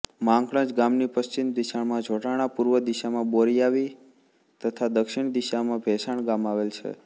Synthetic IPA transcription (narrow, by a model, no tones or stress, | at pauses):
mãŋkɽə̃t͡ʃɡamnipəst͡ʃind̪iʃaɳmãd͡ʒʱoʈaɽ̃apuɾʋəd̪iʃamãboɾiaʋi | t̪ət̪ʰad̪əkʃɪɳd̪iʃamãbʱɛsaɳɡamaʋelt͡ʃʰḛ